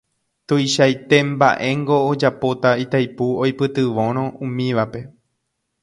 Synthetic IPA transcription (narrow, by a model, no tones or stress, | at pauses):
t̪ujʃajt̪e̞mba̰ʔe̞ŋɡo̞ːd͡ʒapo̞t̪ait̪ajpuojpɨt̪ɨʋõ̞ɾ̃õ̞ʔũmĩʋape̞